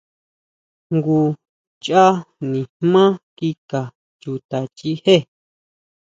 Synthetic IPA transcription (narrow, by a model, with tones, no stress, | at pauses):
ŋɡu˧ | t͡ʃa˦nĩ˨mã˦ki˧ka˨ | t͡ʃu˧t̪a˨t͡ʃi˧he˦˨